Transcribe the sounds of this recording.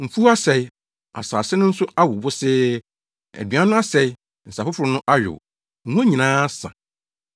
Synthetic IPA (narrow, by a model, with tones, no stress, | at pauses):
m̩˨fu˦a˦sɛ˨i˦ | a̰˨saː˨sɪ˦nʊ̃˦n̩˦sʊ˦ʔa˦wʊ˨bʊ˦sɪ˦ | æ̰˨dɥã˦nʊ̃˦a˦sɛ˨i˦ | n̩˨sa˨fʊ˦fʊ˨ɾʊ˨˦nʊ̃˦ʔa˦ɥᶣʊ̰˨˦ | ũ˦æ˦ɲĩ˨nãː˦sã̰˨